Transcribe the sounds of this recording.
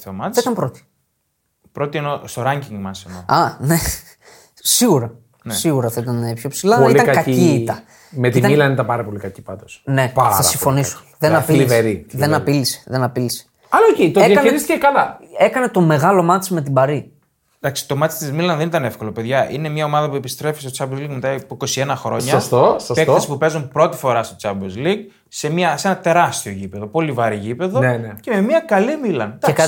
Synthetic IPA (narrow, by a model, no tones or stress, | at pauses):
θemɐθɐit̪ɐmpɾo̞t̪i̥ | pɾo̞t̪ienost̪oɾɐɲɟiŋɡmɐsenoɐne̞ | siɣuɾɐ | nssiɣuɾɐθɐit̪ɐnepço̞psilɐilit̪ɐŋkɐciːt̪ɐ | met̪imɐmilɐenit̪ɐpɐɾɐpo̞likɐci̥pɐd̪osne̞pɐθɐsiɱffo̞niso̥ | ðenɐpiliveɾiðe̞nɐpilise̥ðe̞nɐpilise̥ | ɐlaoceit̪oejɐkɐneɾist̪cekɐlɐe̞kɐne̞t̪o̞me̞ɣɐlo̞mɐt͡sime̞t̪̬ibɐɾi | d̪ɐksi̥t̪o̞mɐt͡si̥st̪izmilɐnðe̞nit̪ɐnefko̞lo̞pe̞ðʝɐʔine̞mɲɐo̞mɐðɐpue̞pist̪ɾe̞fist̪ot͡sɐblzliɡmet̪ɐpiko̞sienɐxɾo̞ɲɐɐst̪osɐspeθɐsi̥pupe̞zunpɾo̞t̪i̥fo̞ɾɐst̪ot͡sɐbzliɡ | se̞miɐsenɐt̪e̞ɾɐst̪ioʝipe̞ðo̞po̞livɐɾiʝipe̞ðoncememiɐkɐlimilɐnd̪aekɐ